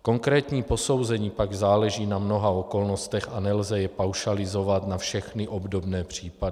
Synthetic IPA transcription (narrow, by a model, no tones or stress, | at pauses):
ko̞ŋkɾɛːt̪ɲiːpo̞so̞wzɛɲiːpaɡzaːlɛʒiːnamno̞ɦaoko̞lno̞st̪ɛxanɛlzɛjɛpawʃalɪzo̞vat̪nafʃɛxnɪʔo̞bdo̞bnɛːpr̝̥iːpadɪ